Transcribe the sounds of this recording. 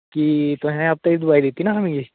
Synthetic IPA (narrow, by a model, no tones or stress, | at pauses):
kit̪ʊɦɛ̃aːp̚t̪ɐid̪ʊbaːid̪eːt̪inaɦɐmẽɡi